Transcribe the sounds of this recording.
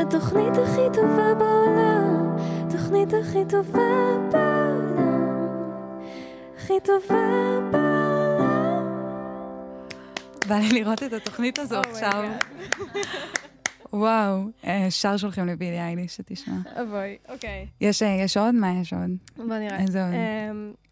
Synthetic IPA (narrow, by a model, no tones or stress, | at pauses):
at̪oχnit̪aχit̪ovabaɾa | t̪oχnit̪aχit̪ovaba | aχit̪ovaba | valiliʁo̞t̪etato̞χnit̪azoaχʃav | waweʃaʁʃ̬olχimlevidiajdiʃet̪iʃmaavojokjɛʃjɛʃod̪majeʃo̰dboniazod